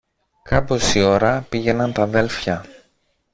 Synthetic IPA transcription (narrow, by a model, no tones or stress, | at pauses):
kɐpo̞sio̞ɾɐpiʝe̞nɐnt̪ɐðe̞lfçɐ